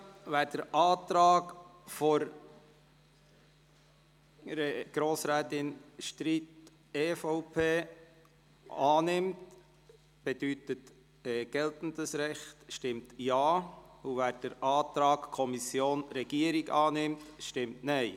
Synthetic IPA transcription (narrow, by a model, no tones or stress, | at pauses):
ʋæːɾd̥əɾʔɑːt̪ɾɑːkfɔɾ | ɛɡ̥ɾoːsɾɛːtɪnʃtɾiːt | eːfɔʊpʰeː | ɑːnɪmt | b̥ɛd̥ytət | ɛːɡ̥ɛltən̩dəsɾɛχtʃtɪmtjɑːuʋæːɾd̥əɾʔɑːt̪ɾɑːkkʰɔmisjoːnɾɛɡ̥iəɾiɡɑːnɪmtʃtɪmtnɛɪ